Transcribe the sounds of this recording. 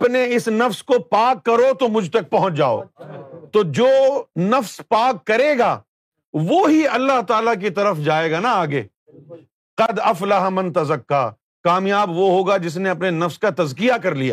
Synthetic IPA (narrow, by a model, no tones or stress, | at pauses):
ɐpneɪsnɐfskopaːkːɐɾot̪omʊd͡ʒʱt̪ɐk̚pɐɦʊ̃t͡ʃd͡ʒaːo̰ːt̪oːd͡ʒoːnɐfspaːkːɐɾeːɡaː | ʋoːɦiɐlːaɦt̪aːlak̬it̪ɐɾəfd͡ʒaːeːɡaːnaaːɡḛː | qɐd̪ɐflɐɦamɐ̃nt̪ɐzɐkːaː | kaːmjaːbʋoɦoːɡad͡ʒɪs̬neɐpnenɐfskat̪ɐzkijakɐɾlija̰ː